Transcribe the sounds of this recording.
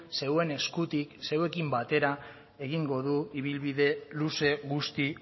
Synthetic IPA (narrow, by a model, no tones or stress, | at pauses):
se̞we̞ne̞skut̪ikse̞we̞kimbat̪e̞ɾa | e̞ɣ̞iŋɡo̞ðuiβilβiðe̞luse̞ɣust̪i